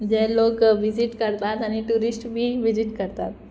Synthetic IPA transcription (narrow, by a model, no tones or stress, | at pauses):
d͡ʒɛɦloːkʋɪzɪʈkɐɾt̪aːt̪əniʈuːɾɪsʈbʱiʋɪd͡ʒɪʈkɐɾt̪aːt̪